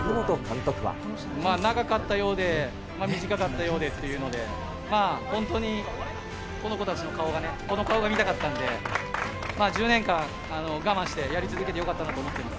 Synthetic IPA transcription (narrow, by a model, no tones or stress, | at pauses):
omot̪okʰãnt̪okʲiβa̰ | maːnaɡakat̪ːajo̞ːd̪e̞ | maːmʲiʑikakat̪ːajo̞ːd̪e̞t̪ːe̞jɯ̟ːno̞d̪e̞ | maːhõ̞nt̪o̞ɲ̟i | ko̞no̞ko̞t̪at͡ɕino̞kao̞ɡane̞ko̞no̞kao̞ɡamʲit̪akat̪ːãnd̪e̞ | maːd͡ʑɨːnẽ̞ŋkãŋ̃ | ano̞ɡamãɕi̥t̪e̞jaɾʲit͡sɨzɨk̬e̞t̪ejo̞kat̪ːanat̪oːmo̞t̪ːe̞masɨ̥